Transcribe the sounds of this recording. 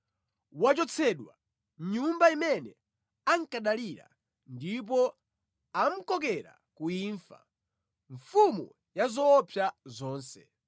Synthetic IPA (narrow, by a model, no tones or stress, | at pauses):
wat͡ʃɔt͡sʰɛɗwa̰ | ɲumbaimɛnɛ | aŋkaɗaliɾa̰ | ndip̬ɔ | am̩kɔk̬ɛɾa̰ | kuiːɱfa̰ | ɱfumu | jazɔːpʰjazɔːnsɛ̥